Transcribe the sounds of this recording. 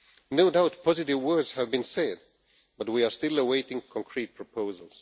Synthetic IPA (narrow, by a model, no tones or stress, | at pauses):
noʊdaʊt̚pʰɑzɨɾɪvwɜ˞dz̥həvbɨ̃nsɛd̚ | b̥ʌt̚wia˞stɪlˠəweɪɾɪ̃ŋkʰɔ̃ŋkʰɹ̥it̚pʰɹ̥əpʰoʊzəl̩ˠz̥